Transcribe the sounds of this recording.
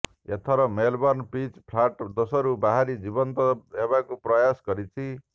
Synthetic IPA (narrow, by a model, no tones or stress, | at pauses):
ḛt̪ʰʌɾʌmelbɔnpit͡spʰlaʈd̪osʌɾubaɦaɾid͡zibʌnt̪ʌebakuprʌjasɡʌɾit͡sʰi